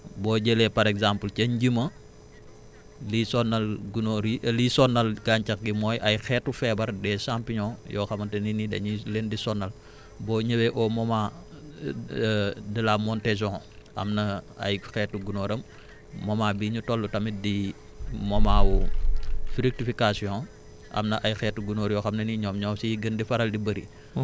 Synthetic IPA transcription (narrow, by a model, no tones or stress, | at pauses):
bɔːɟelɛpɐɾɛkzampəlcɐɲɟimɐ | lisɔnːɐlɡunoɾilisɔnːɐlɡaɲt͡ʃɐkɡimɔːjʔɐjxɛːtːufɛbɐɾdɛːsampiɲɔjɔːxɐmɐnteninidɛ̰ɲilendisɔnːɐl | bɔːɲɐwɛʔɔmɔma | dilamɔntɛs̬ɔ̃ŋʔɐ̰mnɐɐ̰jxɛtːuɡunoːɾɐmː | ɔmaːbiːɲutɔlːutɐmidi | mɔmaːwu | fɾik̚tifikasiɔ̃ | ʔɐ̰mnɐʔɐjxɛːtːuɡunɔːɾjɔːxɐmnɐniɲɔːmɲɔmsiɡɐndifɐɾɐldibəɾḭ